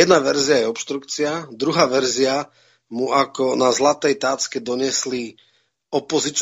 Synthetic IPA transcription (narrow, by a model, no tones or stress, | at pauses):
ɛd̪naʋɛɾziajɛɔpʃt̪ɾukt͡siad̪ɾuɦaːʋɛɾzia | muakɔnazlat̪ɛjt̪aːt͡skɛd̪ɔɲɪɛsli | ɔpɔzit͡ʃ